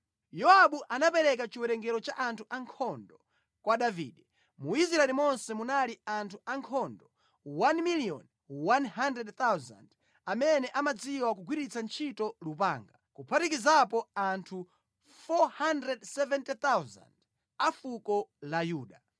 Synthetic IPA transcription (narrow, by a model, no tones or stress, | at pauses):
jɔaɓuʔanapɛɾɛk̬at͡ʃiwɛɾɛŋɡɛɾɔt͡ʃaʔantʰuʔaŋkʰɔndɔ | kwaɗavḭːɗɛ | muizɾaɛlimɔnsɛmunaliantʰuaŋkʰɔndɔ | wanmiliɔ̰n | wanɦandɾɛdt̪awza̰nd | amɛnɛʔamad͡ziwak̬uɡʱwiɾit͡sʰant͡ʃʰitɔlupaːŋɡakupʰatikizapɔantʰu | fɔhandɾɛdsɛvɛntit̪awza̰nd | afukɔlajuːɗa